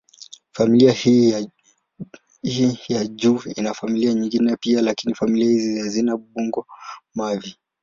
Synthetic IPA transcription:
familiahi | hijaʄuːḭnafamiliaɲiŋɡinɛpialakinifamiliahiziazinaɓuŋɡɔmavi

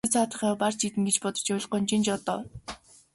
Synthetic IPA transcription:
t͡sʰaːt̪ə̆χaːpart͡ɕit̪ɘ̆ŋɡet͡ɕpɔt̪ɞ̥̆t͡ɕʊɮ̆qʊnt͡ɕint͡ɕɔt̪ɔː

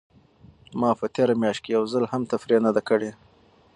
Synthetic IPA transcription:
mɑpət̪eɾamjɑʃt̚kejawzalhamt̪afɾenad̪akəɽe

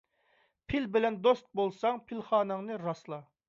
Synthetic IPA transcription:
pʰɪlbɪlɛnd̪ost̪̚bolˠsɑŋpʰilχɑːnɨŋnɨɾɑslˠɑ

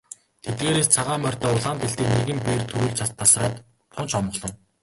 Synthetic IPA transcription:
t̪ʰet̪̚ɡeːɾeːst͡sʰaʁaːmœr̥ʲt̪ɔːʊɮaːnt̪eɬt̪iːkneɣɘ̆mpeːrt̪ʰɵɾŭːɮt͡ɕʰat̪ʰːasraːt̪ | t̪ʰʊnt͡ɕɔmɢ̆ɮɞ̆n

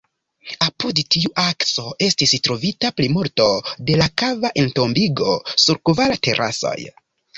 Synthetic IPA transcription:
apudtiuʔakso̞ʔe̞stistɾo̞vitaplimuɾto̞de̞lakavaʔento̞mbiɡo̞suɾkuvalate̞̰ɾʔa̰so̞̰j

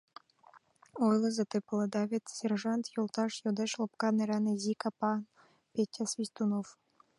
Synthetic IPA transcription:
ojlˠɤzet̪eplˠɤd̪ɑβʲet̪sʲerʒɑnt̪jolˠt̪ɑʃjod̪eʃlˠop̚kɑneɾɑnezʲikɑpɑn | pʲetʲːasvʲisʲt̪unof

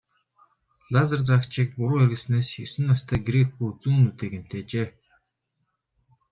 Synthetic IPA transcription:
lazə̆rt͡sakt͡ɕik̚pʊɾʊːeɾɣɘ̆ɮsneːsjɵsɘ̆nːast̪ʰæːɡɾekɡujut͡suːnːut̪eːkem̥t̪ʰeːt͡ɕeː

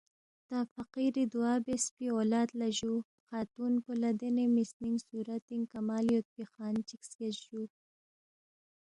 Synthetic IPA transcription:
t̪afaqiɾid̪uɑːbespiolɑːt̪laʒu | xɑːt̪unkolad̪enemisniŋsuɾat̪iŋkamɑljot̪̚pixɑːnt͡ʃikskezʒu

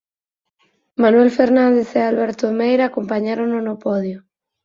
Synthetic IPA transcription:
manwelfeɾnãnd̪eθealβɛɾt̪oemejɾaːkompaɲaɾoŋnonopɔðjo

